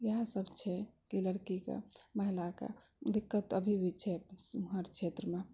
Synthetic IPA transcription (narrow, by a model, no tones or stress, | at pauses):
jəɦãsəbt͡ʃʰɛkiləɽkikḛməɦilakḛ | d̪ikːət̪əbʱibʱit͡ʃʰɛsɦəɾkt͡ʃʰet̪ɾəme